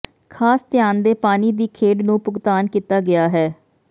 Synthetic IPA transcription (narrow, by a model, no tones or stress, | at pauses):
kʰaːst̪ɪjaːnd̪eːpaːniːd̪iːkʰeːɖnũːpʊɡt̪aːnkiːt̪aːɡɪaːɦɛː